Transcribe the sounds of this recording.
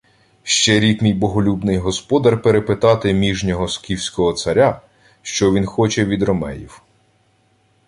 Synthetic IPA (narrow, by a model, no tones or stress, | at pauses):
ʃt͡ʃɛɾʲikmijbɔɦɔlʲubnɪjɦɔspɔd̪ɐrpeɾepɪt̪ɑt̪ɪmʲiʒnʲɔɦɔskʲiwsʲkɔɦɔt̪sɐɾʲa | ʃt͡ʃɔʋʲinxɔt͡ʃɛʋʲid̪ɾɔmɛjiw